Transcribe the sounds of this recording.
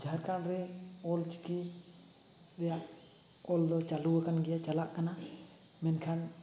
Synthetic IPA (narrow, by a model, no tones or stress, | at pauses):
d͡ʒʱaɾkanɾɛ | ɔlt͡ʃi̥ki | ɗɛjaʔ | ɔld̪ɔt͡ʃaluakanɡɛjat͡ʃalaʔkana | mɛnkʰan